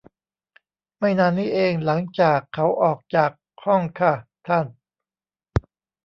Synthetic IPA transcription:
ma˥˩jnaː˧nːiː˦˥˩ʔeː˧ŋla˩˦ŋt͡ɕaː˨˩kʰːa˩˦˥wʔɔː˨˩k̚t͡ɕaː˨˩k̚ | hɔ˥˩ŋkʰa˧˥˩t̪ʰa˥˩n

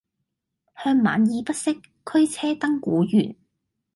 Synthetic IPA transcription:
hœː˧ŋma̰ː˨njiː˨˧pɐ˥t̚sɪ˥kʰːɵ˥ɥt͡sʰɛː˥t̪ɐ˥ŋkuː˨˥jyː˨˩n

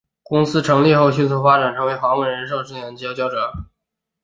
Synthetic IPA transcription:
kʊ˥ŋsɹ̩˥ʈ͡ʂʰɤ˧˥ŋli˥˧xo˥˩˧ʊɕy˥˩nt͡sʰu˥˩fa˥ʈ͡ʂa˨˩nʈ͡ʂʰɤ˧˥ŋwe˧˥ɪxwa˧˥ŋwə˥˩nɻə˧˥nʂ̬o˥˧ʊʈ͡ʂɻ̩˥˩jɛ˧˥nt͡ɕi˧˥˧t͡ɕjɑ˥ʊʈ͡ʂɤ˨˩˦

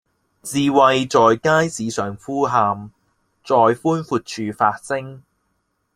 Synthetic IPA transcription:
t͡siː˨˧wɐ˧jt͡sɔː˨jkaː˥jsiː˨˧sœː˨ŋfuː˥ɦaː˧m | t͡sɔː˨jfuː˥nfuː˧t̚t͡ʃʰyː˨˧faː˧t̚sɪ˥ŋ

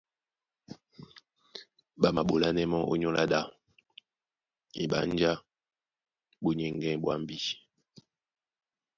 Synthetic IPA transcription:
ɓa˨ma˨ɓo˨la˦nɛ˦mɔ˦ʔo̰˦ɲo˦lʔa̰˦ɗa˦˨ | ḭ˨ɓa̰˨n˦d͡ʒa˦ | ɓu˨ɲɛ˨ŋɡɛ̃˦ɓwa˦m˦bi˦

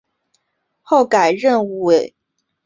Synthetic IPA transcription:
xo˥˩ʊka˨˩ɪɻə˥˧nwe˨˩˦

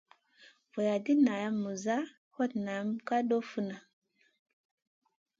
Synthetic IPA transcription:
vo˨ja˨di˦na˨ja˦mːu˨za˦ | ho˦tna˨˦mka˦ɗo˦fu˦na˨

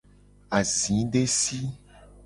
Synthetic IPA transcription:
a˨zĩ˨˦ɖe˦si˦

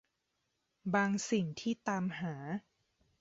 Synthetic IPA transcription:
baː˧ŋsi˨˩ŋt̪ʰiː˥˩t̪aː˧mɦaː˩˦

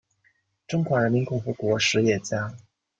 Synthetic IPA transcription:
ʈ͡ʂʊ˥ŋxwa˧˥ɻə˧˥nmi˧˥nkʊ˥˩ŋfu˧˥kwɔ˧˥ʂɻ̩˧˥jɛ˨˩t͡ɕja˥

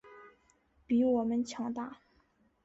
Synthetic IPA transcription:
pi˧˥wɔ˨˩mə˦nt͡ɕʰjɑ˧˥ŋt̪a˥˩

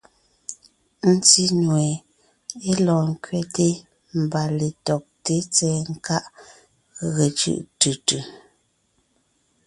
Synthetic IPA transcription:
n̩˦ti˦nwɛ˨ | e˦lɔ̃ː˨ŋ̩˦˨kɥɛ˦te˦ | m̩˨ba˨le˨tɔ˨k̚te˦t͡sɛː˦ŋ̩˦ka˦ʔ | ɣe˨t͡ʃɯ̰˦˨ʔtʉ˨tʉ˨

